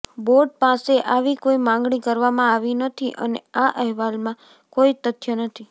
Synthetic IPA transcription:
boɾɖ̚paseʔaʋikoimãŋɡɳikəɾʋamãaʋinət̪ʰiʔə̰nḛaʔəɦʋalmã | koit̪ət̪ʰjənət̪ʰi

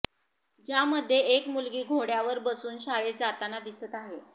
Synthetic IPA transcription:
d͡ʑjaməd̪ʱːjeekmulɡiːɡʱoɽjaʋəɾbəsuːnɕaɭed͡zat̪anad̪isət̪aɦe

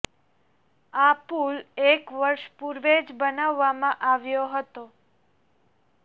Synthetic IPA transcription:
apulekʋəɾʃpuɾʋed͡ʒbənaʋːamãʔaʋjoɦət̪o

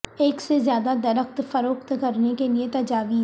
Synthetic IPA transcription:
eːksezjaːd̪ad̪ɐɾəxt̪fɐɾoːqt̪kɐɾnekeliet̪ɐd͡ʒaːʋiː

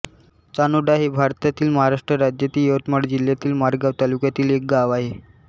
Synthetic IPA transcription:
t͡sanuɖaɦebʱaɾt̪at̪iːlməɦaɾaʂʈɾəɾad͡ʑjat̪iːjot̪məɽd͡ʑil̤jat̪iːlmaɾɡaʋt̪alukjat̪iːlek̚ɡaʋaɦe

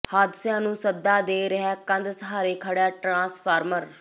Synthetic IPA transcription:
haːd̪ɪsjãːnũːsəd̪ːaːd̪eːɾəɦɛːkə̃nd̪səɦaːɾeːkʰəɽjaːʈɾãːspʰaːɾməɾ

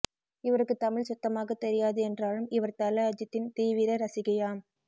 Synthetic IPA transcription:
ɪʋɐɾɯkːɯt̪ɐmɪɭsʊt̪ːɐmaːɣɐt̪ːɛɾɪjaːðɯɛndraːlɯmɪʋɐɾt̪ɐlɐɐd͡ʒɐt̪ːɪnt̪iːʋɪɾɐɾɐsɪɣɐjaːm

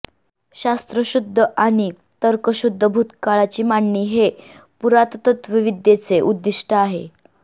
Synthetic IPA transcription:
ɕast̪ɾəɕud̪ʱːəʔaɽ̃i | t̪əɾkəɕud̪ʱːəbʱut̪kaɭat͡ɕiːmaɳːiːɦe | puɾat̪t̪ət̪ʋiʋid̪jet͡seʔud̪ːiʂʈʰəaɦe

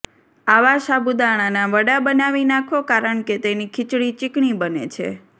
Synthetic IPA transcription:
aʋaʃabud̪aɳ̃anaʋəɽabənaʋinakʰʋokaɾəɳket̪enikʰɪt͡ʃɽit͡ʃɪkɳibənḛt͡ʃʰḛ

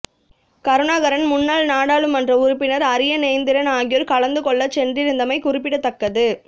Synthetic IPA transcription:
kɐɾɯnaːɣɐɾɐnmʊnːaːlnaːɽaːɭɯmɐndrɐʊɾʊpːɪnɐɾɐɾɪjɐnɛːnd̪ɪɾɐnaːɣɪjɔɾkɐɭɐnd̪ɯkɔɭːɐt͡ʃɛndrɪɾɯnd̪ɐmɐɪkʊɾɪp̬ːɪɽɐt̪ːɐkːɐðɯ

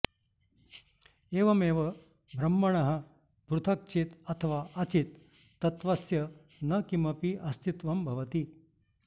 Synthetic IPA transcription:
eːʋɐmeːʋɐ | bʱɾɐmːɐɳɐɦɐ̆ | bɾut̪ʰɐk̚t͡ʃit̪ɐt̪ʰɐʋaːʔɐt͡ʃit̪ː | ɐt̪ʋɐsjɐ | nɐkimɐpiʔɐst̪it̪ʋɐmbʱɐʋɐt̪i

